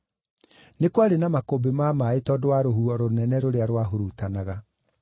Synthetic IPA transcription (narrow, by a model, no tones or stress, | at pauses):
nekwaɾenamakobemamaetɔdwaɾohuɔɾonɛnɛɾoɾeaɾwaɦoɾutanaɣa